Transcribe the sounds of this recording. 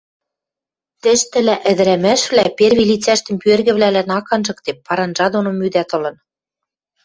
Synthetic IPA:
t̪ɘ̆ʃt̪ɘ̆læʔɘ̆d̪ɘ̆ɾæmæʃβlæperβilit͡sæʃt̪ɘ̆mpyørɣɘ̆βlælænɑkɑnʒɤ̆kt̪epːɑɾɑnʒɑd̪onomyd̪æt̪ɤ̆lɤ̆n

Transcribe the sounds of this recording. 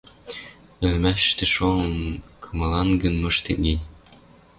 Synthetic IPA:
ɘ̆lmæʃt̪ĕʃoɤnkʰɤ̆mɤlɑnɡə̆nmɤ̆ʃt̪ḛt̚ninʲ

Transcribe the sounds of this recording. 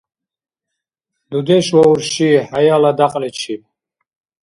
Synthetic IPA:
d̪ud̪ɛʃwɔuɾʃihajalad̪aqʼlɛt͡ʃʰip

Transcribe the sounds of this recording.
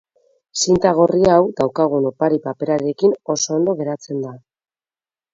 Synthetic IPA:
sint̪aɣ̞o̞riawd̪awkaɣ̞unopaɾipape̞ɾaɾe̞kino̞so̞ːnd̪o̞ɣ̞e̞ɾat͡se̞nd̪a

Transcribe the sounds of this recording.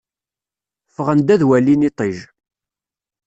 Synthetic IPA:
fəʁənd̪æðwælːinit̪ˤiʒ

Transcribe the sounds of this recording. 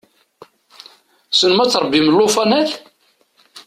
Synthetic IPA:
sənmæt͡sːɾˤəbːiməlːofɑnæθ

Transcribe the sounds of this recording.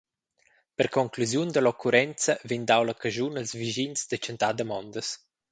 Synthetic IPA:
pəɾkɔŋkluzjund̪əlɔkʰuɾɛnt͡səvind̪awləkəʒunəlzviʒinzd̪ət͡ʃənt̪ad̪əmɔnd̪əs

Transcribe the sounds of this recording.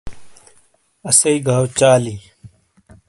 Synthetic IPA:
ɐsɐiɡʱaːwt͡ɕaːliː

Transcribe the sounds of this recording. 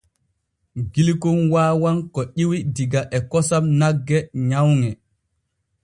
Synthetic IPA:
ɡilkunwaːwankɔʔiwidiɡaʔɛkɔsamnaɡːɛɲawŋɛ

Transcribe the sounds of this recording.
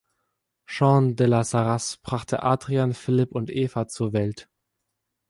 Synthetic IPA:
ʃɑ̃ːndɛlasaʁasb̥ʁaχtʰə̰ʔaːdʁianfɪlɪpʊntʔeːfat͡suːɐvɛlt

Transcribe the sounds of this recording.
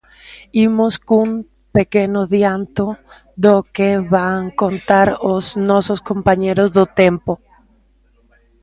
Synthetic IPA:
imoskum | pekenoðjant̪o | ðokeβaŋkont̪aɾoznososkompaɲeɾozðot̪empo

